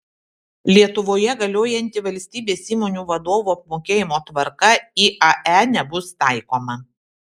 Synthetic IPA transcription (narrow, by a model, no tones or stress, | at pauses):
lʲiɛt̪ʊʋoːjɛɡɐlʲoːjɛnʲt̪ʲɪʋɐlʲsʲt̪ʲiːbʲeːsiːmoːnʲuːʋɐd̪oːʋuːɐp̚moːkʲeːjɪmoːt̪ʋɐɾkɐiːʔɐʔænʲɛbʊst̪ɑˑɪkoːmɐ